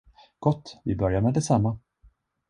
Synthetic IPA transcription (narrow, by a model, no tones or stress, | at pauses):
ɡ̥ɔt̪ːvɪbœɾjaɾmɛd̪ɛsamːa